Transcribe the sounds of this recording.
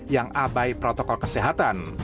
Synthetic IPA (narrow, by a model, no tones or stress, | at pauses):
jaŋabajpɾot̪ɔkɔlkəseɦat̪an